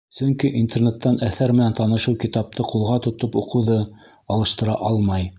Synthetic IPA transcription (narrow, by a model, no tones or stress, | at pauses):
sɵŋkiʔint̪ernet̪ːɑnæθæɾmɘ̆nænt̪ɑnɤ̆ʃɤwkit̪ɑp̚t̪ʰɤqulˠʁɑt̪ŏt̪opuqɤ̆wðɤ | ɑlˠɤ̆ʃt̪ɤ̆ɾɑʔɑlˠmɑj